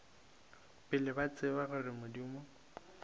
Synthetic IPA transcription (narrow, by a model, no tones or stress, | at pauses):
pʼɪlɪbat͡sʼɪbaɣʊrɪmodimɔ